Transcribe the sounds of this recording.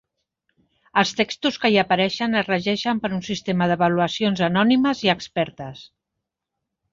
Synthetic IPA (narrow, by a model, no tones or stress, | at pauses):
əlˠst̪ekst̪uskəiəpəɾɛʃənərəʒɛʃəmpəɾunsist̪eməðəβəluəsionzənɔniməziəkspɛɾt̪əs